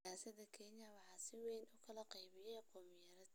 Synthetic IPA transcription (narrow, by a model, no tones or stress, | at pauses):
aːsɐðɐkʰɛnjɐwɑħɑːsɪwɛjnʊkʰɐlɐqɑjβɪjɛjqɔːmjɐɾɐd̪